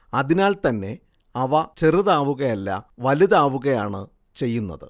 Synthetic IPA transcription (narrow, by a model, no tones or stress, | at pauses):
ɐðinaːlt̪ɐnːe̞ | ɐʋɐt͡ɕeriðaːʋuɣɐjɐlːɐ̰ʋɐliðaːʋuɣɐjaːɳɨ | t͡ɕe̞jːunːɐ̰ðɨ̰